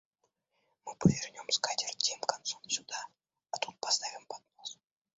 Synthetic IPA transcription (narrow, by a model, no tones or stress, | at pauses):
mɨpəvʲernʲomskat̪ʲɪrvt̪ʲemkant̪somsʲʊd̪aː | t̪ut̪̚past̪avʲɪmpat̪mos